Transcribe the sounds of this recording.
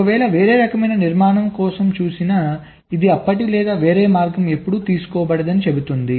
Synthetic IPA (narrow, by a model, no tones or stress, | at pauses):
kɐʋɛːɭɐʋeːɾeːɾɐkɐmɐjnɐniɾmaːɳɐmkɔːsɐmt͡ʃuːsinɐ | id̪iɐpːɐʈilɛːd̪aːʋeːɾeːmaːɾɡɐme̞pːuɽut̪iːsu̥kɔːbɐɽɐd̪ɐnit͡ʃe̞but̪und̪i